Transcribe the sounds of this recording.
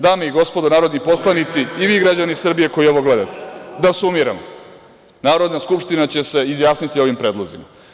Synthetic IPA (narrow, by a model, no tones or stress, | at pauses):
d̪aːmeiɡo̞spo̞d̪onaːɾo̞d̪nipo̞slˠanit̪siːʋiːɡɾad͡ʑanisr̩bije̞ko̞io̞ʋo̞ɡle̞d̪at̪e̥d̪asuumiɾamo | naːɾo̞d̪naskupʂt̪inat͡ɕe̞se̞izjaːsnit̪io̞ʋimpɾe̞ːd̪lˠozima̰